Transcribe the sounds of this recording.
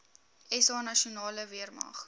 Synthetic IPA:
ɛsɑːnɐʃiunɑːləviərmɐ̰χ

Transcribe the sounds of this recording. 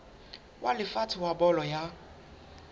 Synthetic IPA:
wʔalɪfatʰɪwabɔlɔja

